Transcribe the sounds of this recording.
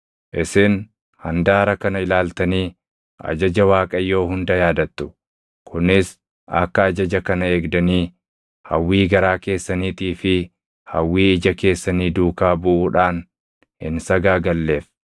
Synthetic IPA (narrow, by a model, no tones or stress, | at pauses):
ʔɪsɪn | hɐnd̪aːɾɐkɐnɐɪlaːlt̪ɐniː | ʔɐ̰d͡ʒɐd͡ʒɐwaːkʼɐjːo̞ːɦʊnd̪ɐjaːd̪ɐt̪ːʊ̥ | kʰʊnɪs | ʔɐ̰kːɐːd͡ʒɐd͡ʒɐkɐnɐe̞ːɡd̪ɐniː | hɐwːiːɡɐɾaːke̞ːsːɐniːt̪iːfɪ | hɐwːiːɪd͡ʒɐke̞ːsːɐniːd̪uːkaːbʊʔuːᶑaːn | ɪ̰nsɐɡaːɡɐlːe̞ːf